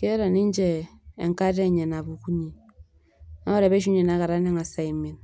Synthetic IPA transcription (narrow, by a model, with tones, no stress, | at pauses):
ke˦ɾa˨ni˦ɲ˦d͡ʒɛ˨ḛ˨ŋka˦ɾe˦˨ɲɛ˨na˨bu˨ku˦ɲi˨ | na˦ɔ˦ɾɛ˨be˦ʃ̬u˦ɲe˨na˨˦ka˨ɾa˦ne˦ŋa˨sa˨i˨mi˨n